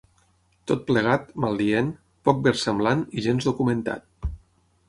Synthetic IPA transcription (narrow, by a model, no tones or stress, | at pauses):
t̪ot̪̚pləɣ̞at̪malˠd̪ien | pɔk̚beɾsəmblaniʒenzðukumənt̪a̰t̪̚